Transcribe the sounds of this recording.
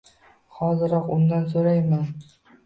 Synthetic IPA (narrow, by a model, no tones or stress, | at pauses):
hɒzɪɾɒqʊnd̪ans̬oɾajman